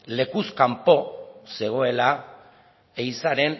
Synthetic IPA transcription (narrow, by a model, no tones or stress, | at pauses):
le̞kuskampo̞se̞ɣ̞o̞e̞la | ejsaɾe̞n